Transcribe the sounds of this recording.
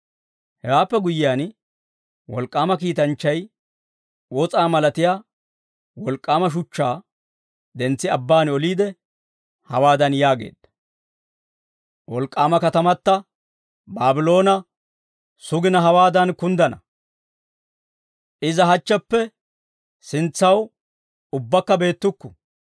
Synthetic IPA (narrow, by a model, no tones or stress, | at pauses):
hɛwaːpːɛɡʊjɪjaːn | wɔ̰lkʼːaːmɐkiːt̪ɐnt͡ʃːɐj | wɔt͡sʼaːmɐlɐt̪ɪjaː | wɔlkʼːaːmɐʃ̬ʊt͡ʃːaː | d̪ɛnt͡sːɪɐbːaːnɔliːd̪ɛ | hɐwaːd̪ɐnjaːɡe̞̰ːd̪̥ːɐ̥ | wɔlkʼːaːmɐkɐt̪ɐmɐt̪ːɐ | baːbɪlo̞ːnɐ | sʊɡɪnɐɦɐwaːd̪ɐnkʊnd̪ɐnɐ | ʔɪzɐɦɐt͡ʃːɐpːɛ | sɪnt͡sːɐw | ʊbːɐkːɐbe̞ːt̪ːʊkːʊ̥